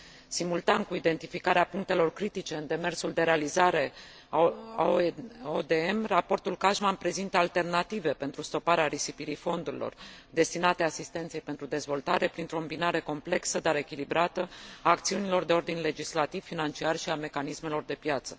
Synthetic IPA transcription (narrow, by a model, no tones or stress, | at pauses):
simult̪ankuid̪e̞nt̪ifikaɾeapuŋk̚t̪e̞lo̞rkɾit̪it͡ʃe̞ɨnd̪e̞me̞rsuld̪e̞ɾe̞alizaɾe̞ | od̪eemrapo̞rt̪ulkaʒmanpɾe̞zint̪əalt̪e̞rnat̪ive̞pe̞nt̪ɾust̪o̞paɾeaɾisipiɾifo̞nd̪uɾḭlo̞̰rd̪e̞st̪inat̪easist̪ent̪se̞jpe̞nt̪ɾud̪e̞zvo̞lt̪aɾe̞pɾint̪ɾo̞mbinaɾe̞ko̞mple̞ksəd̪aɾe̞kʲilibɾat̪əaːk̚t̪siunilo̞rd̪e̞o̞rd̪inʲle̞d͡ʒislat̪ivfːinant͡ʃiarʃiame̞kanisme̞lo̞rd̪e̞pjat̪sə̥